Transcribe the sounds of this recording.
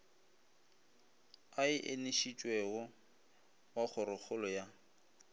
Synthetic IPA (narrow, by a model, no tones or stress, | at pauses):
aɪʔeneʃit͡ʃʼweɣɔ | waχʰʊɾʊχʊlɔja